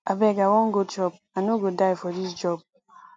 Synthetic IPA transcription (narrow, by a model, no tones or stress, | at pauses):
abɛkawɔŋ̩ɡot͡ʃɔb̚ | anoɡodaifɔdid͡ʒɔb̚